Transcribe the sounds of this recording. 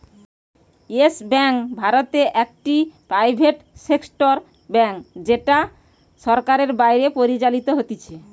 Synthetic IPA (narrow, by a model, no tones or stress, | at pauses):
esbɛŋkbʱaɾot̪eʔɛk̚ʈipɾajbʱeʈseksʈoɾ | bɛŋkd͡ʑeʈa | ʃɔɾkaɾeɾbajɾepoɾit͡ɕalit̪oɦot̪it͡ɕʰe